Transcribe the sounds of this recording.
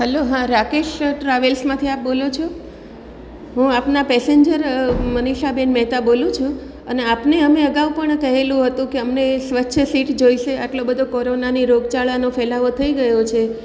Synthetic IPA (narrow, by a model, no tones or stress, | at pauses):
ɦəloɦãɾakeʃʈɾaʋelsmãt̪ʰiap̚bolot͡ʃʰo | ɦũapnapɛseɲd͡ʒəɾməniʃabenmɛɦt̪abolũt͡ʃʰũ | əneapneəmeəɡaʋpəɳkəɦelũɦət̪ũkeəmnesʋətːʃʰəsiʈd͡ʒoiʃeʔaʈlobəd̪ʱokoɾonaniɾoɡt͡ʃaɭanofɛlaʋot̪ʰəiɡəjot͡ʃʰe